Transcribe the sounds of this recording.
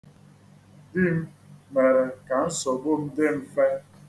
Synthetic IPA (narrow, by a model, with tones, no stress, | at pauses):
di˦m̩˦me˨ɾe˨ka˨n̩˦sɔ˨bo˦m̩˦de˦m̩˦fe˦